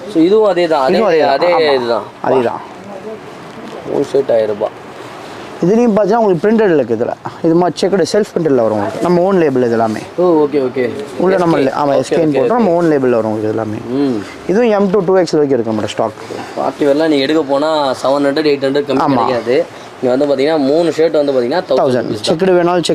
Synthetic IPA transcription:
soːɪðɯʋʊ̃ɐðeːt̪ãːɐɪðʊ̃ɐðeːɐðeːaːɪðɯt̪ã̰ːʔɐ̰ðeːðã̰ː | o̰ːnseʈːaːjɪɾɯpa̰ː | ɪðɯnɪjʊ̃p̬aːt̪ːɪŋnaːʊŋɡɐɭkːɯpɾɪɳʈɛɽɪɾkːɯɪðɯlːɐ̰ɪðɯmaːt͡ʃɛkːɐɽɯsɛlfpɾɪɳʈɐɖlɐʋɐɾʊ̃ŋɡɐɭɯkːɯnɐmːɐoːnleːblɪðɛlːaːmḛːooːkeoːkeːʊɭːɐnɐmːɐlʔa̰ːmaːɛsenpoːʈːʊ̃nɐmːɐoːnleːbɐlːɐʋɐɾʊ̃ːŋɡɐɭɯkːɪðɛlːa̰ːmḛː | ɪðʊ̃ɛmʈuʈuːʋeːkslːkːɪɾɯkːɯnɐmɐʈːɐsʈa̰ːkpa̰ːʈːiʋɐlːãːnĩːɛɽɯkːɐpoːnaːsɐʋɐnɐɳɖɐɖeːʈ̬ːɐɳɖɾkːɐmaːmma̰ːkːaðɯ | ɪŋɡɐʋɐnd̪ɯpaːt̪iŋɡɐnaːmuːnɯʂeːʈːʋɐnd̪ɯpaɾt̪iŋɡɐnaːt̪ɐt̪ɐʊsɐ̰ɳt͡ʃɛk̬ːɐɽɯʋeːnaːlt͡ʃɛk

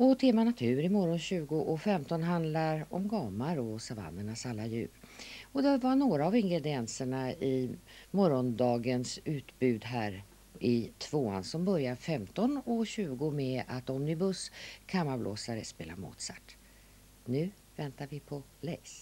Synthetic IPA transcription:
ɔt̪ʰeːmanat̪ʰʉ̟ːɾɪmɔɾɔnɕʉ̟ːɡʊʔɔfɛmt̪ɔnɦand̪laɾɔ̰mɡɑːmaɾɔsava̰nd̪əɳasalːajʉ̟ːɾɔd̪ɛvaɳoːɾaːvɪŋɡɾɛd̪ɪɛnsəɳaɪmɔɾɔnd̪ɑːɡənsʉ̟ːt̪bʉ̟ːd̪ɦæːɾ | ɪt̪ʰv̥oːa̰nsɔmbœɾjaɾfɛmt̪ɔnɔɕʉ̟ːɡʊmɛat̪ɔmnɪbɵskʰamaɾblo̰ːsaɾə̰spḛːla̰mṵːt̪sa̰t̪ː | nʉ̟ː | vɛnt̪aɾvɪpʰɔ | lɛjs

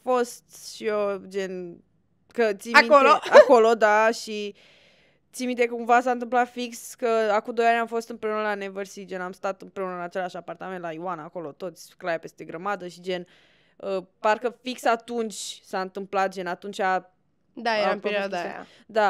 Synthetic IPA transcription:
fo̞st̪ʃiod͡ʒe̞n | kət̪siakoloako̞lod̪aʃi | t̪simit̪ekuɱvas̬aɨnt̪̬ɨmplat̪fikskəakud̪o̞janʲamfo̞st̪ɨnmpɾe̞unəlanevərsid͡ʒe̞namst̪at̪ɨmpɾe̞unəɨnat͡ʃe̞laʃapart̪ame̞nt̪laiwanako̞lo̞t̪o̞t̪sʲklajape̞st̪e̞ɡɾəmad̪əʃid͡ʒe̞n | əparkəfiksat̪unt͡ʃʲsaɨnt̪ɨmplat̪̚d͡ʒe̞nat̪unt͡ʃʲa | d̪aeaampeɾiad̪aa̰ | d̪a

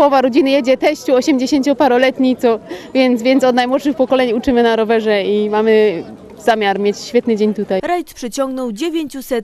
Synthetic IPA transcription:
ɔvaɾɔd͡ʑinɘjɛd͡ʑɛt̪ɛɕt͡ɕuɔɕɛmd͡ʑeɕeɲt͡ɕɔpaɾɔlɛt̪ɲit̪sɔvʲjɛnt̪zvʲjɛnt̪sɔd̪najmwɔt̪ʂɘxpɔkɔlɛɲut͡ʂɘmɘnaɾɔvɛʐɛimamɘ | zamʲjaɾmʲjet͡ɕɕfʲjɛt̪nɘd͡ʑeɲt̪ut̪ajɾajt̪pʂɛt͡ɕɔ̃ŋɡnɔwd͡ʑevʲjeɲt͡ɕusɛt̪

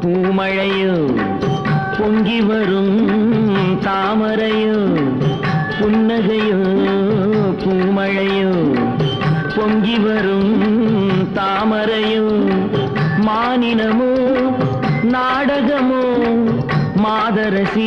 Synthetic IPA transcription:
puːmɐɻɐjɯ | pɔŋɡiʋɐɾɯm | t̪aːmɐɾɐjɯ | pʊnːɐɣɐjɯ | puːmɐɻɐjɯ | pɔŋɡiʋɐɾɯm | t̪aːmɐɾɐjɯ | maːnɪnɐmɯ | naːɽɐɣɐmo | maːðɐɾɐsi

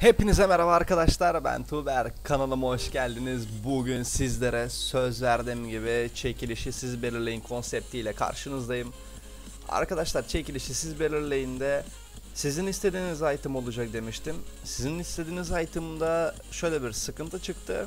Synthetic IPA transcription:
he̞pinizɛmeɾavaːɾkad̪aʃlˠaɾbæ̰nt̪ʰuːbæɾkʰanalˠɯmɦoʃɟælʲd̪inizbuɟynsizlʲe̞ɾɛsø̞zvæɾd̪imɟibit͡ʃʰe̞cʰilʲiʃisizbe̞lʲilʲe̞jinkʰo̞nsɛp̚t̪ʰijlʲɛkʰa̰ɾʃɯnɯzd̪ajɯm | a̰ɾkad̪aʃlˠaɾt͡ʃʰe̞cilʲiʃisizbe̞lʲiɾlʲejind̪ɛ | sizinist̪ʰe̞d̪iːnizajt̪ʰɯmo̞lˠud͡ʒak̚d̪e̞miʃt̪ʰimsizinist̪ʰe̞d̪iːnizajt̪ʰɯmɯd̪a | ʃø̞jlʲɛbiɾsɯkɯnt̪ʰɯt͡ʃʰɯkt̪ʰɯ

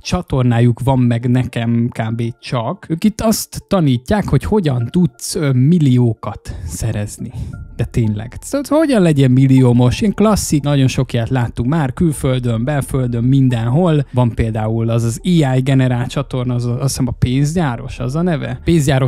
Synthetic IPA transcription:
t͡ʃɒt̪o̞rnaːjukʋɒmːɛɡnɛkɛmkaːbeːt͡ʃɒkøːkit̪ːɒst̪ːɒniːcːaːkho̞cho̞ɟɒnt̪ut̪sømilːioːkɒt̪sɛɾɛznid̪̥ɛt̪eːnlɛ̰ɡ̪ho̞ɟɒnlɛɟɛmmilːioːmo̞ʃiŋklɒsːinɒɟo̞nʃo̞kijaːt̪laːt̪ːukmaːrkylføld̪ømbɛlføld̪ømːind̪ɛnɦo̞lvɒmpeːld̪aːulɒzɒziːaːjɡɛnɛɾaːlt͡ʃɒt̪o̞rnɒzsɛmɒpeːnzɟaːɾo̞̰ʃɒ̰zɒnɛvɛ̰peːnzɟaːɾo̞

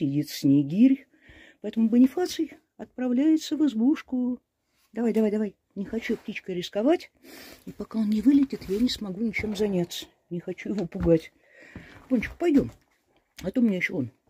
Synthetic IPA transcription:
ɪdʲit̪sʲnʲejɡʲiɾʲ | pɐɛt̪əmʊbənʲɪfat̪sɨj | ɐt̪̚pɾɐvlʲæjɪt̪səvɨzbuʂkʊ | d̪ɐvajd̪ɐvajd̪ɐvaj | nʲɪxɐt͡ɕup̚tʲit͡ɕkəɾʲɪskɐvatʲipɐkao̞nnʲɪvɨlʲɪtʲɪt̪janʲɪsmɐɡunʲɪt͡ɕe̞mzɐnʲat̪sːə̥ | nʲɪxɐt͡ɕujɪvo̞pʊɡatʲ | bonʲt͡ɕɪ̥kʊ̥pɐjdʲo̞m | ɐt̪omːnʲejɪɕːoon

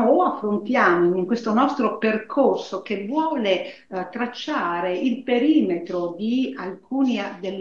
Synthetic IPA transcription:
oafːɾont̪jaːmoiŋkwest̪onɔst̪ɾoperkʰorsokevwɔːle | t̪ɾat͡ʃːaːɾeilpeɾiːmet̪ɾod̪ialkuːnid̪elː

